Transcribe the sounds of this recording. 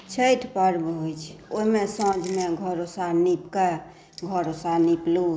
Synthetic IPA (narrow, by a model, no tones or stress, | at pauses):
t͡ʃʰəjʈ̪ʰpəɾbɦojt͡ʃʰoimesəd͡ʒʱmeɡʱəɾosanipke | ɡʱəɾosaniplu